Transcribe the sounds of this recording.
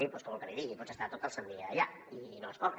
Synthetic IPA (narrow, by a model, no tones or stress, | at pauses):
ipɔskomlˠkəliðiɣipɔsəst̪at̪ot̪əlˠsənd̪iːʎa | inoəskɔ